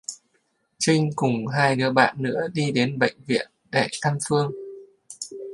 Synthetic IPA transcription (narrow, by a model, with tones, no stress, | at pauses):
t͡ɕï˧ŋ̟kʊ˨˩ŋ͡mɦaː˧jnɨ̰˧˥əɓa̰ː˧˨nːɨ̰˧˥əɗi˧ɗe˨˦nɓə̰˧˨jŋ̟vḭ˧˨ənɗɛ˧˩t̪ʰa˧mfɨ˧əŋ